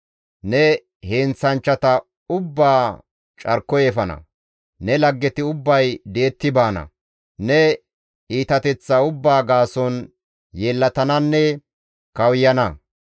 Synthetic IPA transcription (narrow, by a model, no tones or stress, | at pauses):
nɛ | heːnsɐnt͡ʃːɐt̪ɐ | ʊbːaː | t͡ʃʼɐɾkːɔjefɐnɐ̰ | nɛlɐɡːɛt̪ɪʊbːɐjd̪e̞ːt̪ːɪbaːnɐ̰ | nɛ | iːt̪ɐt̪ɛt͡sːɐʊbːaːɡaːsɔn | jeːlːɐt̪ɐnɐnːɛ | kɐwjɐnɐ